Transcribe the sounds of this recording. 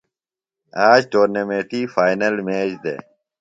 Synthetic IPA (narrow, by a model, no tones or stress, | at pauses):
aːd͡ʑʈoːɾnemeːʈiːfaːjnɐlmeːd͡ʑd̪ḛː